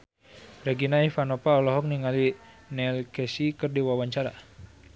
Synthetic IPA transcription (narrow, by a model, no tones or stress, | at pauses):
rɛɡinaifanɔpaɔlɔɦɔk̚niŋali | nɛlkɛsikɨrdiwawaɲt͡ʃaɾa̰